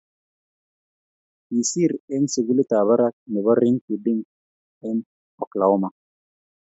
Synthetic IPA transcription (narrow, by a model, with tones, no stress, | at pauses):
i˨si˦ɾɛ˦nse˨ɡi˦li˦ta˨βa˦ɾa˦k̚nɪ˨βa˦ɾɪ˦ŋki˨di˦ŋ | ɛ˦n | ɔ˨kla˨ʊ˦ma˦˨